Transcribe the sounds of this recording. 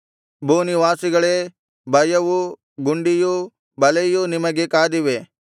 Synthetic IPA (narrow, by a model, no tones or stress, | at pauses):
bʱuːniʋaːsiɡɐɭe | bʱɐjɐʋu | ɡuɳɖiju | bɐlejunimɐɡekaːd̪iʋe